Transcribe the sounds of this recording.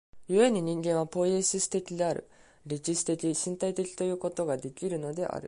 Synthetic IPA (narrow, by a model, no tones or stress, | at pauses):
jɯ̟e̞ɲ̟iɲ̟ĩŋɡẽ̞ɰ̃β̞apo̞lʲisɨsɨ̥t̪e̞kʲid̪e̞aɾɯ̟̰ | ɾʲit͡ɕisɨ̥t̪e̞kʲiɕĩnt̪ait̪e̞kʲi̥t̪o̞jɯ̟ːko̞t̪o̞ɡad̪e̞kʲiɾɯ̟no̞d̪e̞ʔa̰ɾɯ̟